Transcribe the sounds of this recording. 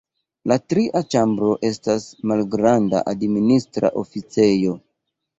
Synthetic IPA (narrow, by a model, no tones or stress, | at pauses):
latɾiʔat͡ʃambɾo̞ʔe̞stasmalɡɾanda̰ʔadministɾa̰ʔo̞fit͡se̞jo̞